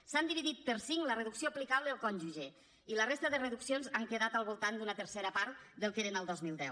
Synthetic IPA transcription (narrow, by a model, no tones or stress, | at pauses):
sand̪iβiðit̪̚pəɾsiŋlərəðuksioplikaβləðəlˠkɔnʲʒuʒe | ilərest̪əðərəðuksionzaŋkeðat̪əlˠβulˠt̪and̪unət̪əɾseɾəpaɾt̪d̪əlˠkeɾenəlˠd̪ɔzmilˠd̪ɛw